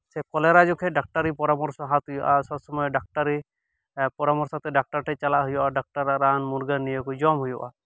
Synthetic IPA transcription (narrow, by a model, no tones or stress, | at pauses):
sɛkɔlɛɾad͡ʒɔkʰɛɖak̚ʈaɾipɔɾamɔɾsɔɦat̪ujɔ̰ʔasɔbsɔmɔjɔɖak̚ʈaɾi | pɔɾamɔɾsɔt̪ɛɖak̚ʈaɾʈʰɛt͡ʃalaʔɦujɔʔaɖak̚ʈaɾaɾanmuɾɡanːijəkud͡ʒɔmɦujɔʔa̰